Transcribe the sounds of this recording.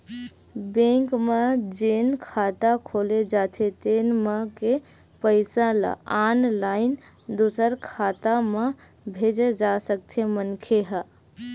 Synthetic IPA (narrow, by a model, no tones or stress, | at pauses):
bẽŋkmed͡ʒenkʰat̪akʰoled͡ʒat̪ʰet̪enməke | pəɪsãla̰anlaɪn | d̪usəɾkʰaːt̪amẽ | bʱed͡ʒed͡ʒasək̚t̪ʰemənkʰeɦə